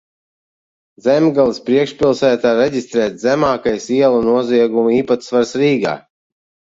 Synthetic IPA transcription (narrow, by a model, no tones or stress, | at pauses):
zɛmɡalˠspɾiɛkʃpʲilˠsæːt̪aːɾɛɟist̪ɾɛːt̪ʲzɛmaːkajsiɛlˠunuɔziɛɡumiːpat̪svaɾsɾiːɡa̰ː